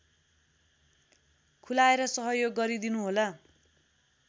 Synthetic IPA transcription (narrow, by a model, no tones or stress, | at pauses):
kʰulaeɾʌsʌɦʌjoɡːʌɾid̪inuɦolʌ